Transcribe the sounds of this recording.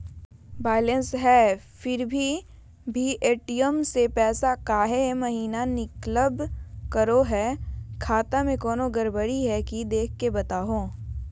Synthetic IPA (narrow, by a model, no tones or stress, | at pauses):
baːɪlə̃nsɦɛː | fɪɾbʱi | bʱiʔeːʈijəmsepɛːsakaːɦemɐɦiːnanɪkləbkəɾoɦɛkʰaːt̪amẽkɔːnoɡəɾbəɽiɦɛkid̪eːk̚ʰkebɐt̪aːɦõː